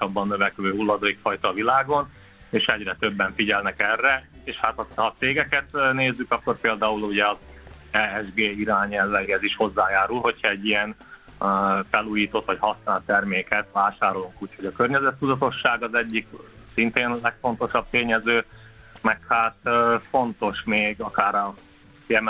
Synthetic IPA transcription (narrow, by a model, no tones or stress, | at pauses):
ɒbːɒnːøvɛkløːɦulːɒd̪oːikfɒjt̪ɒːvilaːɡo̞n | eːʃɛɟrɛt̪ø̞bːɛɱfiɟɛlnɛkɛrːɛeːʃhat̪ɒhɒt̪seːɡɛkɛt̪neːzːykɒkːo̞rpeːld̪aːuluɟɛɒzɛɛʒɡeːiɾaːɲɛlvɛiɛziʃho̞zːaːjaːɾulho̞chɒɛɟːijɛn | fɛluːjiːt̪o̞t̪ʋɒchɒsnaːlt̪ɛrmeːkɛt̪ʋaːʃaːɾo̞luŋkuːcho̞ɟɒkørɲɛzɛt̪ːud̪ɒt̪o̞ʃːaːɡɒzɛɟːiksint̪eːnlɛkfo̞n̪t̪o̞ʃɒb̚t̪eːɲɛzøːmɛkhaːt̪ːfo̞nt̪o̞ʃmeːɡɒkaːɾɒ | jɛm